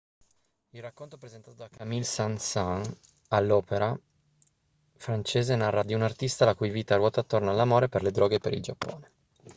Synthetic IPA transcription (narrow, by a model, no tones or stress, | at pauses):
ilrakːont̪opɾezent̪aːt̪od̪akamilsansan | alːɔːpeɾa | fɾant͡ʃeːzenarːad̪iunart̪ist̪alakujviːt̪aɾwɔːt̪oat̪ːornalːamoːɾeperled̪ɾɔːɡepeɾḭld͡ʒapːo̰ːne